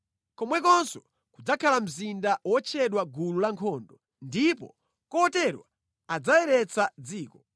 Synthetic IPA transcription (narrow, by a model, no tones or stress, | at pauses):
kɔmwɛkɔnsɔ | kud͡zakʰalam̩zindawɔt͡ʃʰɛɗwaɡululaŋkʰɔːndɔ | ndipɔ̰ | kɔːtɛɾwa | ad͡zajɛɾɛt͡sʰad͡ziːkɔ